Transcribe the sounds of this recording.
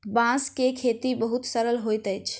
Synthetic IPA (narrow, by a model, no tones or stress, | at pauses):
bãskekʰet̪ibəɦut̪səɾəlɦojt̪əjt͡ʃʰ